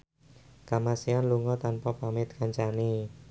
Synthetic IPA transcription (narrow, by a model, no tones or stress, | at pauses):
kamasianluŋɔt̪anpapamɪt̪̚kaɲt͡ʃani